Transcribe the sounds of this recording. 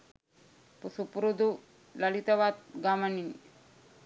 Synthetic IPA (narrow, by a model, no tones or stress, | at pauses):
pusupuɾud̪u | lalit̪ɐʋat̪̚ɡamanin